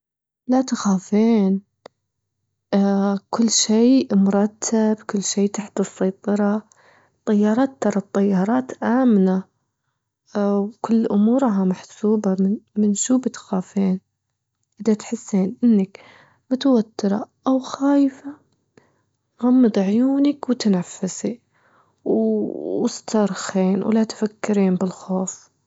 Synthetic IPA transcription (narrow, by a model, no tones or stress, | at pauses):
lat̪axaːfeːn | kʊlːʃeːmʊɾˤɑt̪ʰːabkʊlːʃeːt̪aħt̪ɨsˤːɑjt̪ˤɨɾˤɑ | t̪ˤːɑjːɑːɾˤɑːt̪ːɑɾˤɑt̪ˤːɑjːɑːɾˤɑːt̪ʔaːmna | wkʊlːʔʊmuːɾɦamaħsuːbamɪmɪnʃuːbɪt̪xaːfiːn | ʔɪðat̪ħɪsːiːnʔɪnːak | mʊt̪awat̪ːɪɾˤɑ̰ʔawxaːjfa | ɣɑmːɨd̪ˤʕjuːnakwɪt̪anafːɪsi | wɪst̪ʰɑɾˤxiːnwlat̪fakːɪɾiːnbɪlxoːf